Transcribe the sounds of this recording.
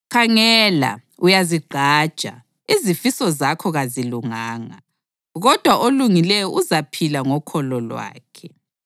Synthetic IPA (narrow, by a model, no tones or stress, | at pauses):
kʰaŋɛla̰ | ujaziɡ͡ǃʱaːd̥ʒ̥ʼʱa̰ | izifisɔzakʰɔɣaziluŋaːŋa | ɣɔd̥ʱwaʔoluŋilɛjɔʔuzapʰilaŋɔkʰɔlɔlwa̰ːkʰɛ